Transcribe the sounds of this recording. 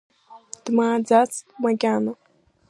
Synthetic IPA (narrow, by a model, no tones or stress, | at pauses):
t̪maːd͡zat͡stmaɡʲano